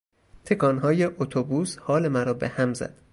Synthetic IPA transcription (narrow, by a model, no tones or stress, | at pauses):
t̪ʰekʰɒːnɦɒːjeʔot̪ʰobuːshɒːlemæɾɒːbehæmzæ̰d̪̥